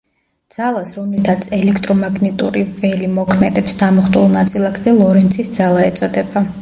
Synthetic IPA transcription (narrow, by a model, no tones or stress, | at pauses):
d̪z̥alˠasɾɔmlit̪ʰat̪sʰɛlɛkʰt̪ʼɾɔmaɡnɛt̪ʼṵɾivɛlimɔkʰmɛd̪ɛpsd̪amɔχt̪ʼulˠnat̪sʼilˠaɡzɛlˠɔɾɛnt̪sʰisd̪z̥alˠaɛt̪sʼɔd̪ɛba